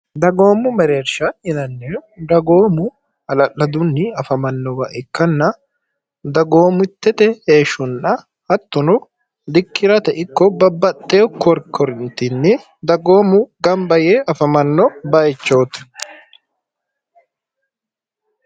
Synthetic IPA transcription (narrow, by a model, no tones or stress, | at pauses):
d̪ɐɡo̞ːmːʊmɛɾeːɾʃɐhɪnɐnːed̪ɐɡoːmʊ | ɐlɐʔːɐd̪ʊnːɪɐfɐmɐnːɔwɐʔɪkːɐnːɐ | d̪ɐɡo̞ːmʊt̪ːɛt̪ɛheːʃʊnːɐ | ɐt̪ːʊnʊ | d̪ɪkːɪɾɐt̪ɐʔɪkːɔbɐbːɐt̪ʼːeːkɔɾkʰːɔɾɪnt̪ɪnːɪ | d̪ɐɡoːmʊɡɐmbɐjeːʔɐfɐmɐnːɔbɐjɛt͡ʃːoːt̪ɪ̥